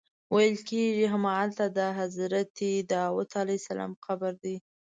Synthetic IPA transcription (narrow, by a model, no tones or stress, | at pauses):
wajəlkeʒiɦamɑalt̪ad̪əɦazɾat̪id̪əwat̪ʰɑlajsalɑ̰mxabaɾd̪i